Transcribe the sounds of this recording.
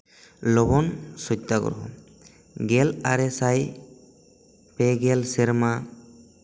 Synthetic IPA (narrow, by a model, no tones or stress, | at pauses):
lɔbɔnsɔt̪ːaɡɔ̰ɾɦɔ̰ | ɡelaɾesaj | peɡelseɾma